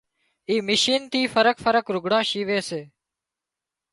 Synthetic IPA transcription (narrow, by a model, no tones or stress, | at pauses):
iːmɪʃiːnt̪ʰiːfəɾəkfəɾəkɾʊɡɽãːʃiːʋeːseː